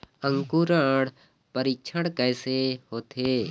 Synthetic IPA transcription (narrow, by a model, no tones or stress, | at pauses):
ə̃ŋkuɾaɽ | pəɾik̚t͡ʃʰəɽ̃kɛːsehoːt̪eː